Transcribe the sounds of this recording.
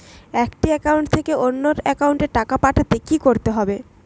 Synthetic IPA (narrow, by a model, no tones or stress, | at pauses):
ɛkʈiɛkauɳʈt̪ʰekeʔonːoɾɛkauɳʈeɾʈakapaʈʰat̪ekikoɾt̪eɦɔbe